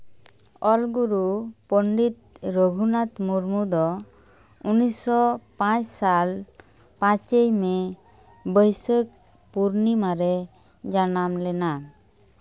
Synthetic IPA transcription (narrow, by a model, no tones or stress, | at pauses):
ɔlɡuɾupəɳɖit̪̚ɾəɡʱunat̪muɾmud̪ɔ | unisɔpãt͡ʃsal | pãt͡ʃejmɛ | bəjsək̚ | puɾnimaɾɛ | d͡ʒanamlɛna